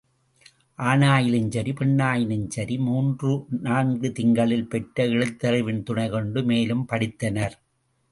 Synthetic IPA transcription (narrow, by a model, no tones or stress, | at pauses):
ʔaːnaːjɪlɪɲd͡ʒɐɾipɛɳːaːjɪlɪɲd͡ʒɐɾimuːndrɯnaːnɡɯt̪ɪŋɡɐɭɪlpɛʈːɐɪɻɯt̪ːɐɾɐɪʋɪnt̪ʊɳɐɪkɔɳɖɯmeːlɯmpɐɽɪt̪ːɐnɐɾ